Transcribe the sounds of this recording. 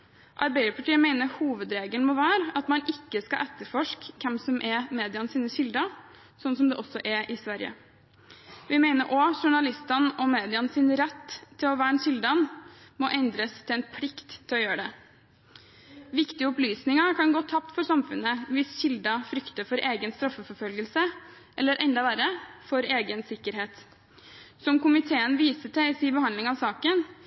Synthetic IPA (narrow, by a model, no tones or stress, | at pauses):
ʔɑɾbæɪəɾpʰɑʈiːəmeɪnəɾhuːʋəd̪ɾeːɡəlnmɔʋæːɾɑt̪mɑnɪkːəskɑʔɛt̪ːəɾfɔʂkkʰːɛmsɔmʔɛɾmeːd̪ɪɑnsiːnəɕɪld̪ɑ | sɔnːsɔmd̪ɛʔɔsːɔʔɛʔɪsʋæɾɪə̰ | ʋɪmæɪnəɾʔɔʂʊɳɑlɪst̪ɑnʔɔmeːd̪ɪɑnsɪːnəɾɛt̪ʰːɪlɔʋæːɾɛnɕɪld̪ɑnmɔʔɛnd̪ɾəst̪ʰɪlɛnpʰlɪkt̪ʰːɪlɔjøːəɖ̪ɛ | ʋɪkt̪ɪəʊplyːsnɪŋɑkʰɑnɡoːt̪ʰɑpt̪fɔɾsɑmfʉ̰nːəʋɪsɕɪld̪ɑfɾʏkt̪əɾfɔɾʔeːɡənst̪ɾɑfːəfɔɾfœlɡəlsə | ʔɛlːəɾʔɛnd̪ɑʋæɾəfɔɾeːɡənsɪkːəɾɦeːt̪ | sɔmkʊmɪt̪ʰeːənʋiːsəʈʰɛɪsiːbəhɑnd̪lɪŋɑʋsɑːkən